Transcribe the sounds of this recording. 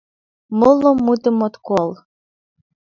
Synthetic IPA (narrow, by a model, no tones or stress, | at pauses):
mɤlˠomːut̪ə̆mot̪kolˠ